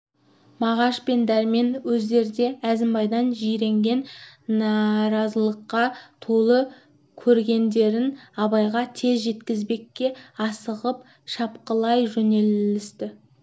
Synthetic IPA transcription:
mɑʁɑʃpe̞nd̪æɾme̞nwɵzd̪e̞ɾd̪e̞æzɪmbɑjd̪ɑnʒijɾe̞ŋɡʲe̞nːɑɾɑzəlˠəqːɑt̪ʰolˠə | kʲʰɵɾɡʲe̞nd̪e̞ɾɪnɑβɑjʁɑt̪ʰe̞zʒe̞t̪kʲɪzbe̞kʲːe̞ɑsəʁəp̚ | ʃɑpqəlˠɑjʒɵne̞lɪst̪ɪ

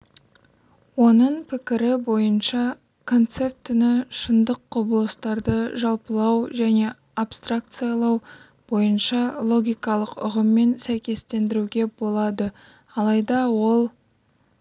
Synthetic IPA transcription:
wo̞nəɴpʰɪkʲɪɾɪbo̞jənʃɑ | kʰo̞nt̪se̞p̚t̪ɪnɪʃənd̪əqːobəlˠəst̪ɑɾd̪əʒɑlˠpəlˠɑwʒæne̞ | apst̪rak̚t̪sɨjalˠɑw | b̥o̞jənʃɑlˠo̞ɡʲijkɑlˠəqʊ̰ʁəmːe̞nsæjkʲe̞st̪e̞nd̪ɪɾuɡʲe̞bo̞lˠɑd̪ə | ɑlˠɑjd̪ɑwo̞lˠ

